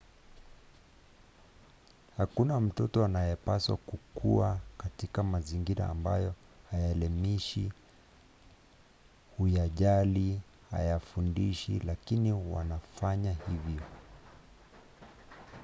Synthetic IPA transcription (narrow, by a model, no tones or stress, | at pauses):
hakunam̩tɔtɔanajɛpaswa̰kukʰuakatikamaziŋɡiɾa̰ːmba̰jɔ | hajalɛmiʃi | hujaʄali | ha̰jafundiʃḭlakiniwa̰nafaɲahivjɔ